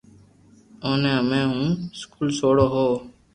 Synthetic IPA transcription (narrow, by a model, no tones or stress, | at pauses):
oːnãmẽːɦũːskuːlsoːɽoːɦoː